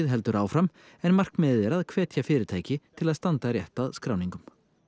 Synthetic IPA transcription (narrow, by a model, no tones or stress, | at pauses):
ɪðɦɛlt̪ʏɾaːwfɾam | ɛnmar̥kmɛððɛːɾaðkʰvɛːt̪ʰjafɪːɾɪɾt̪ʰaːjcɪt̪ʰɪlaðst̪ant̪aɾjɛht̪aðskɾaːwniŋkʏm